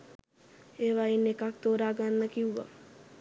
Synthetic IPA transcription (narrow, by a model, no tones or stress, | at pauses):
eːʋainːekak̚t̪oːɾaːɡanːəkiuʋa̰